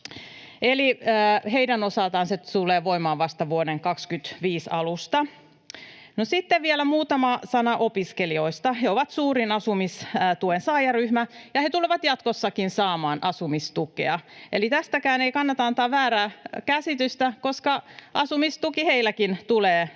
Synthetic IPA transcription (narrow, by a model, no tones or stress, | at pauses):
eliːheidænosɑlt̪ɑːnset̪uleːʋoimɑːʋʋɑst̪ɑʋuodeŋkɑkskyt̪ʋiːsɑ̰lust̪ɑ | nosit̪ːeʋʋielæmuːt̪ɑmɑsɑnɑʔopiskelioist̪ɑheoʋɑt̪suːrinɑsumisːt̪uensɑːjɑryhmæjɑhet̪uleʋɑt̪jɑt̪kosːɑkinsɑːmɑːnʔɑsumist̪ukḛɑelit̪æst̪ækæːneikɑnːɑt̪ɑnt̪ɑʋæːɾæːkæsit̪yst̪ækoskɑʔɑsumist̪ukiheilːækint̪uleː